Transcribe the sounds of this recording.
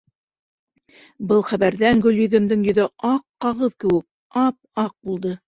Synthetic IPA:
bɤlˠχæβæɾðæŋɡɵ̆ljɵ̆ðɘ̆md̪ɘŋjɵ̆ðɘʔɑqːɑʁɤðkɘ̆wɘ̆k̚ | ɑp̚ɑq̚bulˠd̪ɤ

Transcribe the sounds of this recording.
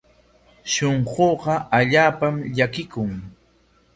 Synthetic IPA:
ʃoɴɢoːɢɑaʎaːpamʎakɪkʊŋ

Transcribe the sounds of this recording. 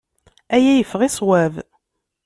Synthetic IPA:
æjæjəfʁisˤwæv

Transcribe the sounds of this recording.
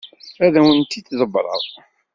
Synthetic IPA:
æðæwənt̪it̪ːzˤəbɾˤə̰ðˤ

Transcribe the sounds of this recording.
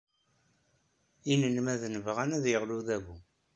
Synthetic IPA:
inənmæðnəvʁænæðjəʁluðæβu

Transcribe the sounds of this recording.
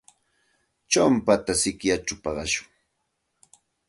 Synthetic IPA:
t͡ʃampat̪asɪkjat͡ʃapɑɢɑʃʊ̥ŋ

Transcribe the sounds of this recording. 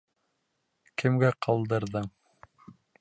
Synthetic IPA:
kʰɘ̆mɡæqʰɑlˠd̪ɤ̆ɾðɤɴ

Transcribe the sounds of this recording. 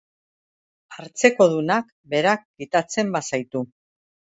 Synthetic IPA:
aɾt͡se̞ko̞ðunak | be̞ɾak̚ɡit̪at͡se̞mbasajt̪u

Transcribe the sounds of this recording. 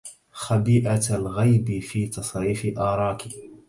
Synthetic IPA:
xabiːʔalɣajbɪfiːt̪ɑsˤɾiːfɪʔɑːɾˤɑːkɪ

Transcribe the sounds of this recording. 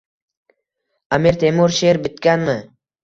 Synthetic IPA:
ameɾt̪ʰemoɾʃeɾbɪt̪kʲanmɪ

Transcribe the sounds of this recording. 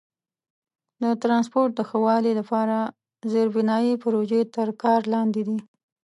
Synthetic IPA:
d̪ət̪ɾɑnspoɾʈ̚d̪əxəwɑlilapɑɾa | zeɾbɪnɑjipɾoʒet̪əɾkɑɾlɑnd̪ed̪i

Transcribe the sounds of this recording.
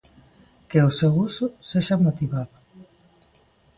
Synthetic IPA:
keosewusʊseʃamot̪iβaðʊ

